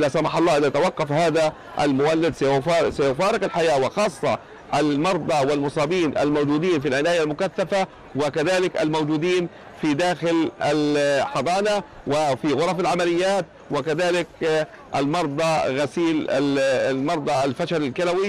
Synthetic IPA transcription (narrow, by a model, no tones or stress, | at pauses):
lasamɑħɑlˤːɑːʔɪðat̪awɑqːɑfhaːða | ʔalmʊwalːɪd̪ssajʊfaːɾˤɪkalħajaːwɪxɑːsˤːɑ | ʔalmɑɾˤd̪ˤɑwɪlmʊsˤɑːbiːnʔa̰lmawd͡ʒuːd̪iːnfilʕɪnaːjalmʊkaθːafa | wɪkaðaːlɪka̰lmowd͡ʒuːd̪iːn | fid̪aːxɪlʔalħɑd̪ˤɑːna | wɪfiɣʊɾˤɑfalʕamalɪjːaːt̪̚ | wɪkaðaːlɪk̚ | ʔalmɑɾˤd̪ˤɑɣasiːlamɑɾˤd̪ˤɑlfaʃaɾɪlkalawi